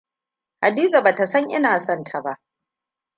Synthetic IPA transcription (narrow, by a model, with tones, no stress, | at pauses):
ha˨diː˦za˨ba˨ta˨sɐ˦ŋʔɪ̰˦naː˨sɔ˦ntʰa˨ba˦ʔ